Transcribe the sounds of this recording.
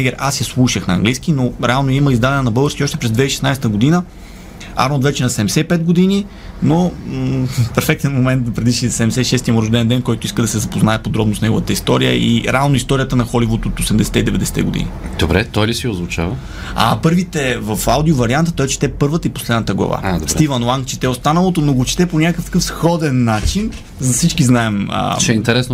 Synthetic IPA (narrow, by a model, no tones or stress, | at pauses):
ɛɡɛɾasjɐslˠuʃəxnɐ̰ːŋɡlijsk̟inoɾɛalˠnoiməizd̪alɛnɛnɐbɤlˠɡəɾskʲiɔʃt̪ɛ̥pɾɛzd̪vɛiʃɛ̥snajsɛ̥t̪əɡod̪inə | a̰ɾnot̪vɛt͡ʃɛnɐsɛmsɛipɛt̪̚ɡod̪ini | no | fpɛɾfɛk̚t̪ɛnmomɛnt̪̚pɾɛd̪iʃisɛɛmsɛʃɛst̪imoɾɐʒd̪ɛɛnd̪ɛnkɔjt̪ʊiskəd̪ɐsɛzɐpoznaɛpod̪ɾɔbnosnɛɡovət̪əist̪ɔɾijə̰ʔḭɾɛalˠnoist̪ɔɾʲijət̪ənɐxɔlivot̪ot̪osɛmd̪ɛsɛ̥t̪ɛid̪ɛvɛd̪ɛsɛ̥t̪ɛ̰ɡod̪ḭnid̪̥obɾɛt̪ɔjlisiozvʊt͡ʃa̰və | a̰pɤɾvit̪ɛvɐfawd̪iovɐɾiant̪ət̪ɔɛt͡ʃɛ̥t̪ɛpɤɾvət̪əipo̥slɛd̪nət̪əɡlˠɐ̰va̰ad̪osɾt̪ivɐnlˠaŋkt͡ʃɛ̥t̪ɛost̪anəlˠot̪onoɡot͡ʃɛ̥t̪ɛponʲakkəft̪ɐ̥kɤfsxɔd̪ɛnːat͡ʃin | zɐsit͡ʃkiznaɛmə̰t͡ʃɛɛint̪ɛɾɛsno